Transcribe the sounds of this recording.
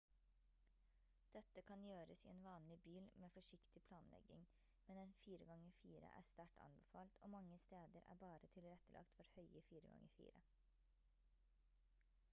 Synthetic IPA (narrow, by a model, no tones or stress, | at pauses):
d̪̥ɛt̪ːəkʰɑnjøːɾəsḭːeːnʋɑːnlɪbyːlmeːfɔʂɪkt̪ɪpʰlɑːnlʔɛ̰ɡɪŋ | mɛnɛnfiːɾəɡɑŋəfiːɾə̰ʔæ̰ːst̪æʈʰɑ̰nbɛfɑːlt̪ʰoːmɑŋːəst̪eːd̪əɾʔæ̰ːbɑːɾət̪ʰɪlɾɛt̪əlʔɑ̰kt̪ʋɔɾhœʏəfiːɾəɡɑ̰ŋːəfḭːɾə